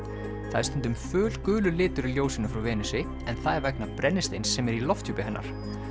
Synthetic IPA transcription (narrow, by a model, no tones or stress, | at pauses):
θaðst̪ʏnt̪ʏmfʏːl̥kʏːlʏlɪːt̪ʏɾɪljoːwsinafɾawvɛːnʏsɪ | ɛnθaðɛɾvɛknapɾʔɛnːɪst̪ejnsːɛmɛɾilɔft̪huːpɪɦɛnːa̰ɾ̥